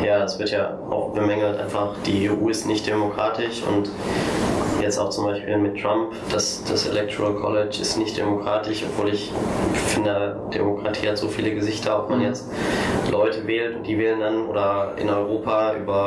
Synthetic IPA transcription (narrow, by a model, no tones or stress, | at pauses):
jaːdasv̥ɪɐtjaː | ʔa̰ʊxb̥əmɛŋl̩tʔa̰ɪnfaχd̥iːeːʔṵːɪstnɪçt̚d̥emokʁ̥aːtʰɪʃʊ̰nt | jɛt͡staʊxt͡sʊmbaɪʃpiːlmɪtːʁ̥ampd̥asd̥asḛlɛk̚tʰo̰ʁalkʰɔ̰lɛt͡ʃɪ̰stnɪçt̚d̥ḛmokʁ̥aːtɪʃɔpv̥oːlɪçfɪndeɐ | d̥ḛmokʁ̥atʰiːhatz̥oːfiːləɡəzɪçtʰɐɔpmanjɛt͡stlʔɔʏtəvɛːltʊnt̚d̥iːvɛːləndanʔo̰ːdɐʔɪ̰nɔʏʁoːpaʔy̰ːbɐ